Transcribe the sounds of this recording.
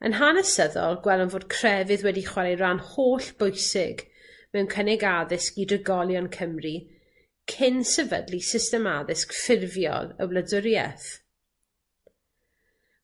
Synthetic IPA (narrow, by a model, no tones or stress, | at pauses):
ə̰nɦanəsəðɔ̰lˠɡwɛlˠənvoːd̥kʰr̥ɛvɨðwɛdiχwaɾejɾanhoːɬb̥ʊjsɪɡ | mɛwnkʰənɪɡaðɪskidrəɡɔlˠjɔnkʰəmri | kʰɪnsɛvə̰dlisɪstɛmaðɪskfɪrvjɔ̰lˠə̰wlˠədʊɾjɛ̰θ